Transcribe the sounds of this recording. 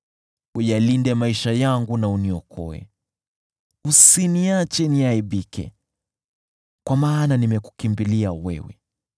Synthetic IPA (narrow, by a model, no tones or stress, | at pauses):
ujalindɛmaiʃajaŋɡunauniɔkʰɔ̰ɛ̰ | usiniat͡ʃɛniaiɓikɛ̰ | kwamaːnanimɛku̥kimbiliawɛ̰wɛ̰